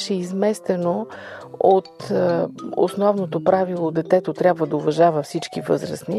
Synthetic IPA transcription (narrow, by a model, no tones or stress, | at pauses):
ʃɛizmɛst̪ɛno | ot̪ | o̰snɔvnot̪opɾavilˠod̪ɛt̪ɛt̪ot̪ɾʲjabvəd̪ɐovɐʒavəfsit͡ʃkivɤ̰zɾə̰sni